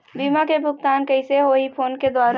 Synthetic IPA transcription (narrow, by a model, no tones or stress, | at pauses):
biːmakebʱʊɡ̚t̪aːnkəɪseɦoipʰoːnked̪waːɾ